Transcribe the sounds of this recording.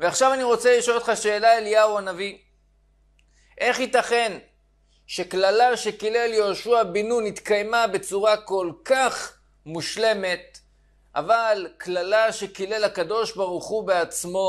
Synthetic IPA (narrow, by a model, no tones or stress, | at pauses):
veaχʃavaniʁo̞t͡seliʃoltχaʃeːlaeljauanavi | ʔe̞χhit̪aχe̞n | ʃe̞klalaʃe̞kile̞ljo̞ʃuabinunit̪kajmabe̞t͡suʁako̞lkaχ | muʃle̞me̞t̪̚ | a̰valklalaʃe̞kilelakado̞ʃbaʁuχubeat͡smo̞